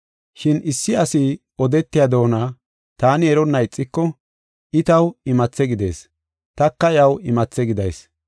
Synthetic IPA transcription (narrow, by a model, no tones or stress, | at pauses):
ʃɪnʔɪsːɪɐsɪ | ɔd̪ɛt̪ːɪjɐd̪o̞ːnaː | t̪aːnɪɛɾɔnːɐɪt͡sʼːɪkːɔ | ʔɪt̪ɐwɪmɐt͡sːɛɡɪd̪e̞̰ːs | t̪ɐkːɐjɐwɪmɐt͡sːɛɡɪd̪ɐ̰js